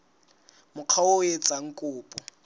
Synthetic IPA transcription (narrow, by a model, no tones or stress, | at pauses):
mʊq͡χʰaʊet͡sʼaŋ̩kʼʊːpʼɔ